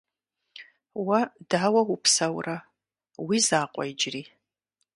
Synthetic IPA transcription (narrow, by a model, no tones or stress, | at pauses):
wɐdaːwɐwʊpʰsɐwrɐ | wizaːqʷʼɔjd͡ʒriː